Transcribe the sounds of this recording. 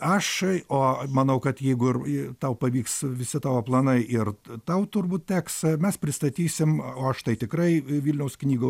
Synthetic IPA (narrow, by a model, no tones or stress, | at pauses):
ɐʃoːmɐnɐʊkɐt̪jɛɪɡʊɪrt̪ɐʊpɐʋʲiːksʋʲɪsʲɪt̪ɑːʋoːplˠɐnɐɪʔɪrt̪ɐʊt̪ʊrbuːt̪̚tʲæːksmʲɛspʲɾʲɪst̪ɐt̪ʲiːsʲɪmoːɐʃt̪ɐɪt̪ʲɪkɾɐɪʋʲiːlʲnʲɛʊsknʲiːɡɐʊ